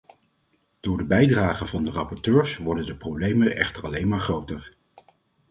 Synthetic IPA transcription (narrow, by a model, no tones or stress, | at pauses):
d̥ʊːɹdəbɛjdraːχənvɑndərɑpɔɹtøːɹsʋɔɹdəndəprowblejmənʔɛ̰χtərɑlejnmaːɹχrowtəɹ